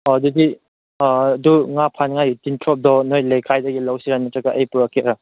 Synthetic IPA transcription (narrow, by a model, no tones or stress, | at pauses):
ɔdudi | duŋapʰanŋajutintʰɾɔp̚dɔnojlejkʰajdaɡilawsiɾanmatɾakaʔəjpuɾakeɾɔ